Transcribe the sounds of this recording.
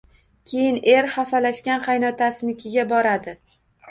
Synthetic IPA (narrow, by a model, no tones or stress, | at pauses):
kʲʰe̞jɪne̞ɾhafalaʃkʲanqʰɑjnɒt̪ʰasɪnɪkʲʰɪɡʲabɒɾad̪ɪ